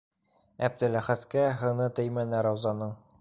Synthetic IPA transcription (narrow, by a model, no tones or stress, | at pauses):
æb̚d̪ɘ̆læχæt̪kæɦɤ̆nɤt̪ɘ̆jmænɘɾɑwzɑnɤɴ